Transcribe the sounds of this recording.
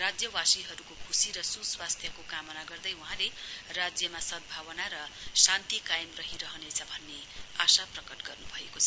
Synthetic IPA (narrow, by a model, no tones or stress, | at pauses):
rad͡zjʌwasiɦʌɾukokʰusiɾʌsuswast̪ʰjʌkokamʌnaɡʌrd̪ʌjuɦãlerad͡zjʌmasʌd̪̚bʱawʌnaɾʌsant̪ikajemrʌɦiɾʌɦʌnet͡sʰʌbʱʌnːe | asaprʌkʌʈɡʌrnubʱʌekot͡sʰʌ